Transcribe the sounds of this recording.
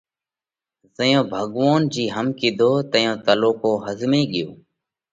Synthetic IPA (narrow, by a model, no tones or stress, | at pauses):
zəjõːbʱəɠʋoːnd͡ʒiːɦəmkiːd̪ʱoːt̪əjõːt̪əloːkoːɦəzmẽːɠɪjoː